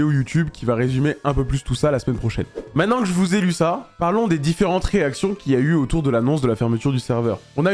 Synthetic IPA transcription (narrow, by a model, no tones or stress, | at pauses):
ojut̪ybkʲivaʁezymeɛ̃pøplyst̪usalasəmɛnpχɔʃɛ̰nmɛ̃t̪nɑ̃kəʒəvuzelysapaʁlɔ̃d̪ed̪ifeʁɑ̃t̪χeaksjɔ̃kʲiayot̪uʁd̪əlanɔ̃sd̪əlafɛʁmət̪yʁd̪ysɛʁvœ̰ːʁɔ̃na